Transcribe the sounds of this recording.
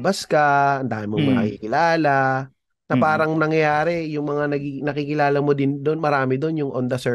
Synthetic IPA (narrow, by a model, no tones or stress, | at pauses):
bɐskɐɐnd̪aːmɪmoŋmɐkɐkikɪlaːla | nɐpaːɾɐŋnɐŋjɐjaːɾɛjʊŋmɐŋanɐɡinɐkikɪlaːlɐmod̪ɪnd̪onmɐɾaːmɪd̪o̞njʊŋʔond̪ɐsɛ